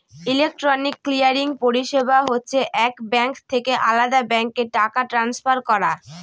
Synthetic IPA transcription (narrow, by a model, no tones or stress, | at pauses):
ilek̚ʈɾonikːlijaɾiŋpoɾiʃebaɦotːɕʰeʔɛkbɛŋkt̪ʰekeʔalad̪abɛŋkeʈakaʈɾansfaɾkɔɾa̰